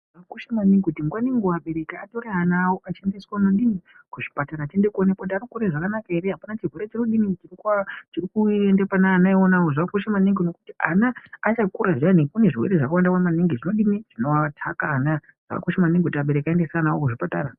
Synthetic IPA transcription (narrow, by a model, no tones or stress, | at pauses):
ʐakuʃamaniŋɡkutimɡwaniŋɡuwaɓe̞ɾekaato̞ɾeɦanawo̞ʔat͡ʃe̞ndeswanonɗini | kuʐi̥pataɾat͡ʃende̞konekodaɾukuɾeʐakanakaeɾeɦapanat͡ʃirweɾe̞t͡ʃinoɗinit͡ʃirikuat͡ʃirikuendepanaːnaionawoʐaakuʃamaniŋɡino̞kutia̰naːt͡ʃakuɾaʐanikune̞ʐiwḛeʐakawandakwamaniŋɡiʐino̞ɗiniʐ̥ino̞atʰakaːna | ʐ̥a̰ka̰koʃamaniŋɡkutaɓe̞ɾekaendesaːnawokuʐipata̰ːɾa